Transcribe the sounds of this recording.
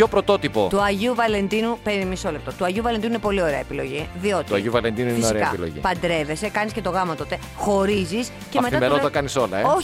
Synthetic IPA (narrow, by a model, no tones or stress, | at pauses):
o̞pɾot̪o̞t̪ipo̞t̪uɐʝiuvɐle̞nd̪inupeɾmiso̞lep̚t̪ot̪uɐʝiuvɐlend̪inuinepo̞lio̞ɾeɐepilo̞̰ʝiðio̞t̪iuɐjiuvɐlend̪inuineosiekɐḛilo̰ʝḭpɐnd̪ɾe̞ve̞se̞kɐnisce̞t̪o̞ɣɐmɐt̪o̞t̪e̞ | xo̞ɾizis | cemet̪ɐmelot̪ɐkɐniso̞lɐeo